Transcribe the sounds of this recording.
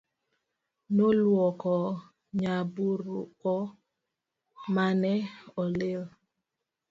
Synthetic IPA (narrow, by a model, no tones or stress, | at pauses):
nolwɔkɔ | ɲabuɾukɔ | manɛɔlɪl